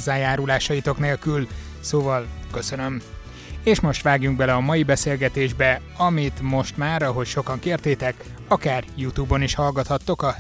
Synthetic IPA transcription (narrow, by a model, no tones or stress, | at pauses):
zːaːjaːɾulaːʃɒjit̪o̞kneːlkyl | soːvɒlkø̞sø̞nøm | eːʃmoʃt̪ʋaːɡjuŋɡ̚bɛlɛɒmɒjibɛseːlɡɛt̪eːʒbɛ | ɒmit̪mo̞ʃt̪maːɾɒɦo̞cʃo̞kɒŋkeːrt̪eːt̪ɛk | ɒkaːrjut̪uːbo̞niʃhɒlɡɒt̪hɒt̪ːo̞kɒ